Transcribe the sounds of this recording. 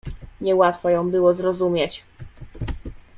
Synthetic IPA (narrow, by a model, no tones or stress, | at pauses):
ɲɛwat̪fɔjɔ̃w̃bɘwɔzɾɔzumʲjet͡ɕ